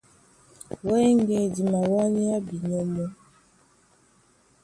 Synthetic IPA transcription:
wɔ˦ɛ˦ŋɡɛ˨di˨ma˨wa˦ni˦a˦bi˨ɲɔ˦mɔ˦

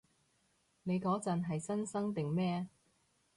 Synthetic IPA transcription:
ne˨˧jkɔː˨˥t͡sɐ˨nɦɐ˨jsɐ˥nsɐ˥ŋt̪ɪ˨ŋmɛː˥

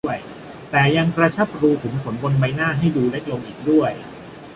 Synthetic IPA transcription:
əj | t̪ɛː˨˩ja˧ŋkɾa˧t͡ɕʰa˦˥˩p̚ɾuː˧t̪ʰɯ˩˦ŋpʰo˩˦nbo˧nba˧jnaː˥˩ɦa˥˩jduː˧le˦˥k̪̚lo˧ŋʔiː˨˩k̚du˥˩əj

